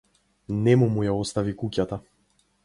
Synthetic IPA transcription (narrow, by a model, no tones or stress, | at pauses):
nɛmumujaɔst̪avikukʲat̪a